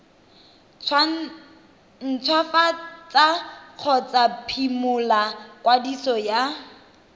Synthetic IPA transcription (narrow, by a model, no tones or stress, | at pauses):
n̩t͡sʰwafat͡saq͡χʰɔt͡sapʰimʊlakwadisɔja